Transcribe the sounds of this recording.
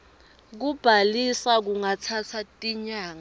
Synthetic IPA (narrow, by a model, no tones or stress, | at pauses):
k̬ub̥ʱalisak̬uŋat͡sʰat͡sʰatʼiɲaːŋa